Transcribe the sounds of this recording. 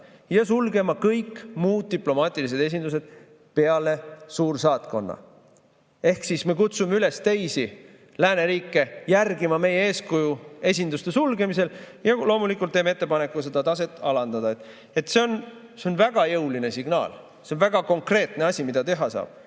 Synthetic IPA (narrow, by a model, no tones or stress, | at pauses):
jɑs̬ulɡe̞mɑkɤjkːmuːd̪̥̚t̪ːiplo̞mɑːt̪ʲːˑilis̬e̞d̪̥e̞s̬ʲind̪use̞d̪̥ | pe̞ɑle̞suːrsɑːt̪ko̞nːɑ̰ | e̞hksisme̞kut̪sumeyle̞st̪ejsi | læːne̞ɾiːkːˑe̞jærɡimɑme̞jeeːskujue̞s̬ʲind̪ust̪e̞sulɡe̞mis̬e̞ljɑlo̞ːmulikːˑult̪ːeːmeet̪ːe̞pɑne̞kːˑus̬e̞d̪̥ɑt̪ɑs̬e̞t̪ːˑɑlɑnd̪ɑd̪ɑet̪ːˑ | et̪ːse̞on | seonvæɡ̥ɑjeuline̞siɡ̥nɑ̰ːl | seonvæɡ̥ɑko̞ŋkre̞ːt̪ne̞ɑsʲimid̪̥ɑt̪e̞ɦɑsɑ̰ːb̥